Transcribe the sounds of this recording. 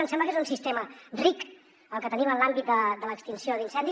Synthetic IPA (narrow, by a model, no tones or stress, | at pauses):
əmsɛmbləkezunsist̪emərik | əlˠkət̪ənimənlambit̪̚d̪əd̪ələkst̪insioðinsɛnd̪i